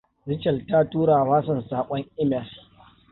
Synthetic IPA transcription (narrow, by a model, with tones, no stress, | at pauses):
zɪ˦t͡ʃɐ˨ltaː˦tuː˦ɽaː˨waː˦s̬ɐ˨nsaː˨kʷʼɔ˦ŋʔɪ˦mɛ˨l